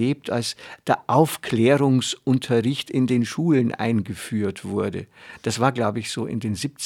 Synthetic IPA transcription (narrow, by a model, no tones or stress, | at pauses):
eːp̚tʰa̰lsd̥eːɐʔaʊfklɛːʁ̞ʊŋsʔʊntʰɐʁɪçtɪndeːnʃuːlənʔa̰ɪnɡəfyːɐtv̥ʊɐdə̰d̥asv̥aːɐɡlaʊbəɪçz̥oːʔɪ̰ndeːnziːp̚t͡s